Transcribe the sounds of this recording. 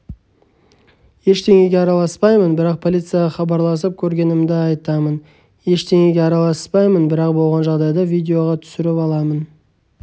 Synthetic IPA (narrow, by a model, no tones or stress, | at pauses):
je̞ʃt̪ʰe̞ŋe̞ɡʲeɑɾɑlˠɑspɑjmənbɪɾɑq̚pʰo̞lijt̪sɨjɑɑχɑbɑɾlˠɑs̬əp̚kʲʰɵɾɡʲe̞nɪmd̪ɪɑjt̪ɑmən | je̞ʃt̪ʰe̞ŋeɡʲeɑɾɑlˠɑspɑjmənbɪɾɑq̚bo̞lˠʁɑnʒɑʁd̪ɑjd̪ɑvijd̪ʲe̞o̞ʁɑt̪ʰʏ̥sɪɾɪpɑlˠɑmən